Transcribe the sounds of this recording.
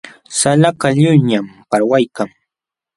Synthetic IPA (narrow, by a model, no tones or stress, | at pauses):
salakaʎʊjɲampaɾwajkaŋ